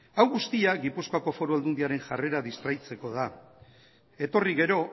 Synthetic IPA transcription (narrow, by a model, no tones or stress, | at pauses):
awɣust̪iaɣipuskoako̞fo̞ɾuald̪und̪iaɾe̞ŋʝare̞ɾaðist̪ɾajt͡se̞ko̞ð̞a | e̞t̪o̞riɣe̞ɾo̞